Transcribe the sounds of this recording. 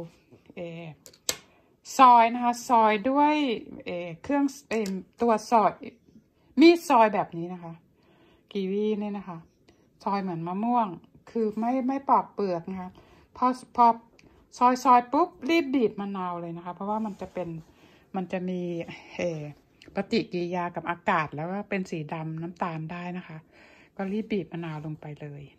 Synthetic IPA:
ʔeː˨˩ | sɔː˧jna˦˥kʰa˦˥sɔː˧˩jdu˥˩əjʔeː˨˩kʰɯ˥˩əŋʔeː˨˩t̪u˧˩ət̪̚sɔː˧˩j | miː˧˥˩sɔː˧jbɛː˨˩p̚niː˦˥na˦˥kʰa˦˥ʔ | kiː˨˩wiː˧˥˩niː˧˩na˦˥kʰa˦˥ʔ | sɔː˧jmɯ˩˦ənmaː˧mu˥˩əŋ | kʰɯː˧ma˥˩jma˥˩jpɔː˨˩p̚pɯ˨˩ək̚na˦˥kʰa˦˥ | pʰɔ˧pʰɔː˧ | sɔː˧jsɔː˧jpu˦˥p̚liː˥˩p̚biː˨˩t̪̚maː˧naː˧wlɤː˧jna˦˥kʰa˦˥pʰɔ˦˥waː˥˩ma˧nt͡ɕa˨˩pe˧n | ma˧nt͡ɕa˨˩ʔmiː˧ʔeː˨˩ | pa˧t̪i˨˩kiː˧jaː˧ka˨˩p̚ʔaː˧kaː˨˩t̪̚lɛː˦˥wkaː˥˩pe˧nsiː˩˦da˧mnaː˦˥mt̪aː˧mdaː˥˩jna˦˥kʰa˦˥ʔkɔː˥˩liː˥˩p̚biː˨˩t̪̚maː˧naː˧wlo˧ŋpa˧jlɤː˧j

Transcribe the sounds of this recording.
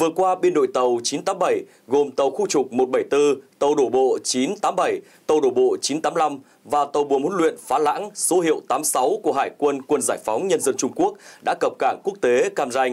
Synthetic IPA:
vɨ˨˩ət̚kwaː˧ɓe˧nɗo̰˧˨jt̪ə˨˩wt͡ɕi˨˦nt̪aː˨˦mɓə˧˩j | ɣo˨˩mt̪ə˨˩wxu˧t͡ɕʊ˨˩k͡p̚mo˨˩t̚ɓə˧˩jt̪ɨ˧t̪ə˨˩wɗo˧˩ɓo̰˧˨t͡ɕi˨˦nt̪aː˨˦mɓə˧˩j | t̪ə˨˩wɗo˧˩ɓo̰˧˨t͡ɕi˨˦nt̪aː˨˦mla˧m | vaː˨˩t̪ə˨˩wɓu˨˩əhu˨˥˦lwḭ˧˨ənfaː˨˦la̰ː˧˥ŋso˨˦hḭ˧˨əwt̪aː˨˦msa˨˦wku˧˩əɦaː˧˩jkwə˧nkwə˧nzaː˧˩jfa˨˦wŋ͡mɲə˧nzə˧nt͡ɕʊ˧ŋ͡mku˦˥ək̚ɗa̰ː˧˥kə˨˩p̚kaː˧˩ŋku˦˥ək̚t̪e˨˦kaː˧mza˧jŋ̟

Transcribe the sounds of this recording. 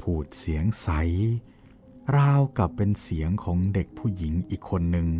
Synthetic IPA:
pʰuː˨˩t̪̚si˩˦əŋsa˩˦j | ɾaː˧wka˨˩pːe˧nsi˩˦əŋkʰɔː˩˦ŋde˨˩k̚pʰuː˥˩ji˩˦ŋʔiː˨˩kʰːo˧nːɯ˧ŋ

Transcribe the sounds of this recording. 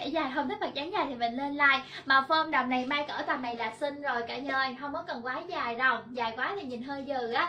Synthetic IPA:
ɛ̰˧˩zaː˨˩jɦə˧wŋ͡mt̪i˦˥k̚mə˨˩k̚t͡ɕaː˨˦ŋzaː˨˩jt̪ʰi˨˩mə̰˧˨ŋ̟le˧nlaː˧jmaː˨˩fə˧mɗaː˨˩wna˨˩jmaː˧jkəː˧˩t̪aː˨˩mna˨˩jlaː˨˩t̚sï˧ŋ̟zo˨˩jkaː˧˩ɲəː˧˩jɦə˧wŋ͡mmɔ˨˦kɔ˨˩nkwaː˨˦zaː˨˩jzɔ˨˩wŋ͡mzaː˨˩jkwaː˨˦t̪ʰi˨˩ɲi˨˩nɦəː˧jzɨː˨˩ʔaː˨˦

